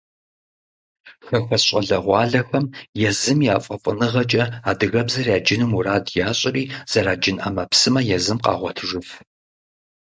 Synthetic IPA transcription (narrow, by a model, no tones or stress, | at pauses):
xɐxʷɐɕʼɐɮɐʁʷɑːɮɐxɐmjɛzɨmjaːfʼɐfʼɨnɨʁɐt͡ʃʼɐaːdɨɣɐbzɐrjaːd͡ʒɪnɨmuraːdjaːɕʼɪriːz̥ɐɾaːd͡ʒɪnʔɐ̰mɐpsɨmɐjɛzɨmqɑ̰ːʁʷɔtʰʒɨf